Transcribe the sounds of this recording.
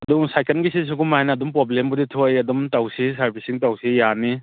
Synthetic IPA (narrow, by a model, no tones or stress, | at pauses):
ɐduŋsajkʰenɡisis̬uɡumajnɐːdumpɾoblembuditʰojɐdumtawsisɐɾpʰisiŋtawsijani